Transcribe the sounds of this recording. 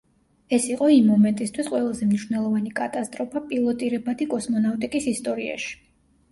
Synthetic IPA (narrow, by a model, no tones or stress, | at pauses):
ɛsiqʼɔimːɔmɛnt̪ʼist̪ʰwisqʼwɛlˠazɛmniʃwvnɛlˠɔvanikʼat̪ʼast̪ʼɾɔpʰapʼilˠɔt̪ʼiɾɛbad̪ikʼɔsmɔnaft̪ʼikʼisist̪ʼɔɾia̰ʃi̥